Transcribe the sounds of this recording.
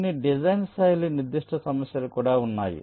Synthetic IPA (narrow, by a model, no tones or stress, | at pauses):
niɖid͡ʒɐjnsajliniɾd̪iʂʈʰɐsɐmɐsjɐlukuːɽaːunːa̰ːjḭ